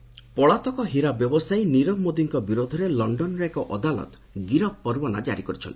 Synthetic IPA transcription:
pɔɭat̪ɔkɔɦiɾabjɔbɔsajniɾɔbmod̪iŋkɔbiɾod̪ʱɔɾelɔɳɖɔnɾekɔʔɔd̪alɔ̰t̪ | ɡiɾɔp̚pɔɾbɔna̰d͡ʒa̰ɾikɔɾit͡ʃʰɔ̰nt̪i̥

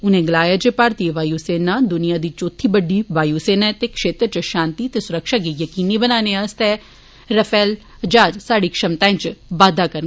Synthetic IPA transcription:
ʊnẽːɡəlaːjaːd͡ʒepaːɾt̪iːeʋaːjuːseːnaːd̪ʊnɪjãːd̪iːt͡ʃoːt̪ʰːiːbəɖːiːʋaːjuːseːnat̪eːkʃeːt̪ɾət͡ʃəʃãːnt̪iːt̪eːsʊɾəkʃaːɡiːjəkiːnibənaːneːaːst̪ɛː | ɾəfʰɛːl | d͡ʒaːd͡ʒsaːɽiːkʃəmt̪aːẽːt͡ʃʋaːd̪aːkəɾn

